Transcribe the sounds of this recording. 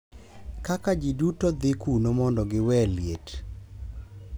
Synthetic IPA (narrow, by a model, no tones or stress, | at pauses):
kakad͡ʒidutod̪ɪkunomɔndɔɡɪwɛljet